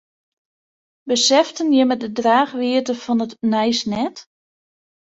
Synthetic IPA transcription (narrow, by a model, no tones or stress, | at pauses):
bəsɛftənjəmɛdədraːxʋiətəfɔnətnɛjsnɛt